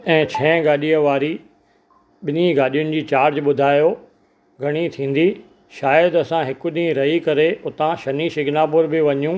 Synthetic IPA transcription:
ɛ̃ːt͡ɕʰɛ̃ːɡaːɗiːəʋaːɾi | ɓɪnĩɡaːɗijʊnɪ̆d͡ʑiːt͡ɕaːɾd͡ʑɓʊd̪ʱaːjo | ɡʱɐɽ̃it̪ʰĩːn̆d̪i | ʃaːjəd̪ɐsãɦɪkʊɗĩɾɐɦikɐɾeʊt̪ãʃɐniʃɪɡʱnaːpʊɾbɪʋɐɲjũ

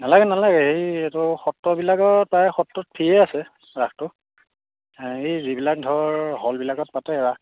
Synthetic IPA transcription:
nalaɡɛnalaɡɛhejetʊxɔtːɔbilaɡɔt̚pajxɔtːɔt̚pʰijɛasɛ | ɹaxtʊ | hejzibilak̚dʱɔɹɦɔlbilaɡɔt̚patɛɛɹa

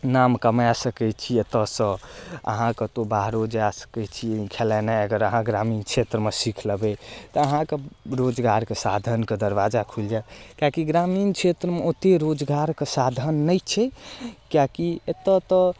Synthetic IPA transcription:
namkəmasəkɛt͡ʃʰiet̪əsə̃ə̰ɦãkət̪obaɦɾod͡ʒasə̥kɛt͡ʃʰikʰelɛnaəɡəɾəɦãɡɾamint͡ʃʰet̪ɾəmesikʰləbɛt̪ɔəɦãkeɾod͡ʒɡaɾkesad̪ʱənked̪əɾʋad͡ʒakʰuld͡ʒakakiɡɾamint͡ʃʰet̪ɾəmeot̪eɾod͡ʒɡaɾkesad̪ʱənːəjt͡ʃʰɛkjakiet̪ət̪ɔ

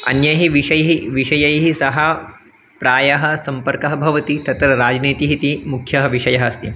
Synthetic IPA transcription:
ɐ̰njɐɦiʋiʃɐjɦiʋiʃɐjɐjɦisɐɦɐ | pɾaːjɐɦɐ̆sɐmpɐɾkɐɦɐbʱɐʋɐt̪it̪ɐt̪ɾɐɾaːd͡ʒniːt̪iɦit̪imukʰjɐɦɐʋiʃɐjɐɦɐst̪i

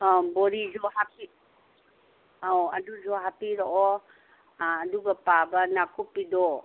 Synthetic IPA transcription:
abɔɾizɔhapi | awaduzɔɦapiɾɔʔɔ | duɡapabanakupidɔ

